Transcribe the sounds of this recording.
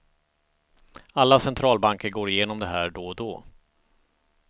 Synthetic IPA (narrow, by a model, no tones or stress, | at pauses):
alːasɛnt̪ʰɾɑːlbaŋkəɾɡoːɾɪjeːnɔmd̪ɛɦæːɖɔd̪ɔː